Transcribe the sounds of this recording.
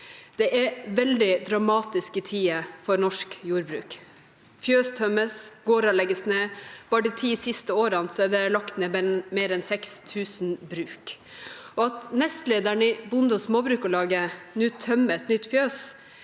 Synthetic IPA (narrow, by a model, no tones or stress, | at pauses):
d̪̥ɛʔɛʋɛld̪ɪd̪ɾɑmɑːt̪ɪskit̪ʰiːəfɔɾnɔʂkjuːɾbɾʉ̰ːk | fjøːst̪ʰœməsɡ̥oːɾɑlɛɡəsneːb̥ɑːɾəd̪ɛt̪ʰiːsɪst̪əoːɾəɑnsɔæɖɛlɑkt̪neːbɛnmeːɾɛnsɛkst̪ʰʉːsnbɾʉːk | ɔɑt̪nɛst̪leːd̪əɳɪbʊnd̪əɔsmoːbɾʉːkɔlɑːɡənʉːt̪ʰːœmːəɛt̪nʏt̪ːfjøːs